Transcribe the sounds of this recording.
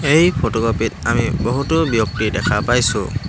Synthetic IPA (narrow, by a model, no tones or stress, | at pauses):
ejpʰotɔkɔpitamiboɦutobjɔk̚tidɛkʰapajsʊ̰